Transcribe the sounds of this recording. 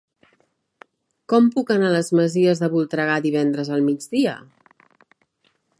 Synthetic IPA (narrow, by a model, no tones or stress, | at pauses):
kɔmpukənaləzməziəzðəβulˠt̪ɾəɣaðiβɛnd̪ɾəzəlˠmid͡zðiə̰